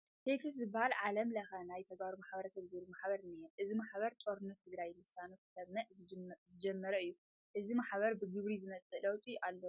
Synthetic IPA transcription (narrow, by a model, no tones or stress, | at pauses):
t̪ʰet̪ʰɨs̬zɨbahalʕalɐmlɐxɐnajt̪ʰɐɡbaɾumaħbɐɾɐsɐβzɨβɨlumaħbɐɾnɐjɛmʔɨzimaħbɐɾt̪ʼoɾnɨt̪ʰɨɡɾajmɨsanot̪ɐβnɐʔzɨd͡ʒɛmːɐɾɐɨjːu | ʔɨzimaħβɐɾbɨɡɨβɾizɨmɐt͡sʼɨlɐwt̪ʼiʔalːo